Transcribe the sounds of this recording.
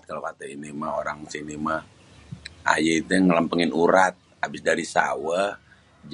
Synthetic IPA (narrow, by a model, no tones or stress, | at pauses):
t̪̚kalaʔat̪ɛinimaoɾaŋsinima | a̰jait̪uŋələmpəŋɪnuɾat̪̚ | abɪsdaɾisa̰wa | d͡ʒ